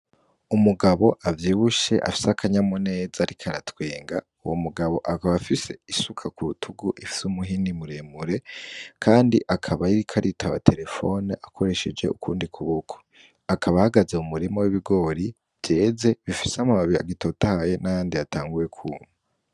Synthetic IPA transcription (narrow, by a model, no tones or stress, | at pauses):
umuɡaβo̞ʔavjiːβuʃe̞ʔa̰fi̥sakʰaɲamone̞ːzaɾikʰaɾatwe̞ːŋɡa̰ | uwomuɡaβo̞ʔakaβafise̞isukʰakuutʰuɡuʔifi̥sumuɦinimuɾemuɾe̞kʰaːndḭʔakʰaβaiɾikʰaɾitʰaβa̰tʰe̞ɾe̞fo̞̰niʔakʰo̞ɾe̞ʃed͡ʒe̞̰ṵkuːndikʰuβokʰo̥ | akʰaβahaɡazeumuɾimowiβiɡo̞ːɾi | v̥je̞ːze̞βifi̥seamaβaβia̰ɡito̞tahaje̞najaːndiataːŋɡuje̞kʰuːmu